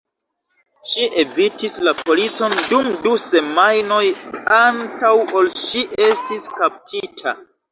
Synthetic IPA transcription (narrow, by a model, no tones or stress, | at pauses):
ʃiʔe̞vitislapo̞lit͡so̞ndumduse̞majno̞jantawolʃiʔe̞stiskap̚tʰitʰa̰